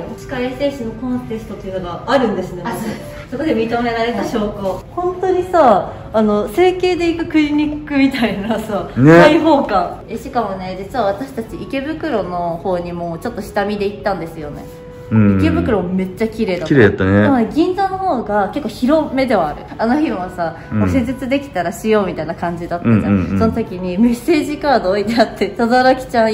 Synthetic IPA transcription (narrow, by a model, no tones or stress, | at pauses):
t͡ɕi̥kaiese̞ːɕonokõ̞nt̪e̞sɨ̥t̪ot̪ːojɯnoɡaaɾɯ̟̃nd̪e̞sɨnea | so̞ko̞d̪emʲit̪ome̞ɾaɾe̞t̪aɕo̞ːkohõ̞nt̪o̞ɲ̟isaː | no̞se̞ːke̞ːd̪e̞ikɯ̟kɯ̟ɲiɲʲikːɯ̟mʲit̪ainasaːneaiɦo̞ːkaeɕikamo̞ne̞d͡ʑit͡sɨβaβ̞at̪aɕi̥t̪at͡ɕiike̞bɯ̟kɯ̟ɾo̞no̞ho̞ːɲ̟imo̞ːt͡ɕo̞t̪ːo̞ɕi̥t̪amʲid̪e̞it̪ːãnd̪e̞sɨjo̞ne̞̰ | ike̞bɯ̟kɯ̟ɾo̞mme̞t͡ɕːakʲiɾe̞ːd̪akiɾeːat̪ːanet̪amoneɡʲĩnd͡zano̞ho̞ːɡakekːoːçiɾo̞me̞d̪e̞βaːɾɯ̟anoçĩβasa | mose̞zet͡sɨd̪e̞kʲi̥t̪aɾaɕijo̞ːmʲit̪ainakãɲ̟d͡ʑid̪at̪ad͡ʑã̰so̞not̪o̞kʲiɲ̟imɯseːʑikaːd̪oːit̪iat̪ʰːe̞t̪ad̪aɾakʲi̥t͡ɕã